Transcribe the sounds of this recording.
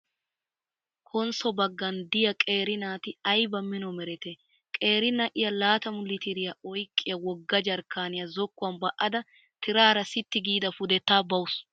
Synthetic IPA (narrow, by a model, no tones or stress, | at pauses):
kʰɔnsɔbɐɡːɐnd̪ɪjɐkʼe̞ːɾɪnaːt̪ɪɐjbɐmɪnɔmɛɾɛt̪ɛ | kʼe̞ːɾɪnɐʔɪjɐlaːt̪ɐmʊlːɪt̪ɪɾɪjɐɔjkʼːɪjɐwɔɡːɐd͡ʒɐɾkːaːnɪjɐzɔkːʊɐnbɐʔɐd̪ɐ | t̪ɪɾaːɾɐsɪt̪ːɪɡiːd̪ɐfʊd̪ɛt̪ːaːbɐwʊs